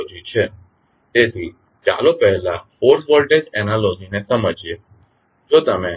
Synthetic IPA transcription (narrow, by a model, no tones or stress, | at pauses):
d͡ʒit͡ʃʰe | t̪et̪ʰi | t͡ʃa̰lopəɦlafoɾʈʋəlʈesɛnalod͡ʒinesəməd͡ʒje | d͡ʒot̪əme